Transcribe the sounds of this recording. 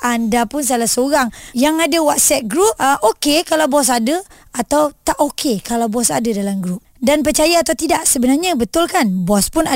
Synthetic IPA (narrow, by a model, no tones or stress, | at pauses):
ʔandapʊns̬alasəoɾaŋjaŋadawaʔsɛt̪̚ɡɾup̚əʔokekalawbɔs̬adə | at̪awt̪aʔokʰekalawbɔsa̰dadalamɡɾup̚danpərt͡ʃajaːt̪awt̪idaʔsəbənarɲabət̪ʊlkanbɔspʊna